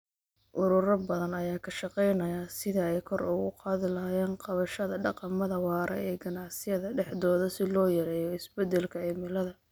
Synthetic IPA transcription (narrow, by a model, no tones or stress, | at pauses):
ʔʊɾʊɾɐbɐðɐnɐjaːkʰɐʃɑqɛjnɐjaːsɪðɐɛjkʰɔrʊɣʊ̰qɑːðɪlɐjɛːnqɑβɐʃɐðɐɖɑqɑmɐðɐwɑːɾʔɐ̰ɛːɡɐnɑʕsɪjɐðɐɖɛħd̪ɔːðsɪlɔːjɐɾɛːjɔɪsbɛd̪ɛlkʰɐɛmɪlɐðɐ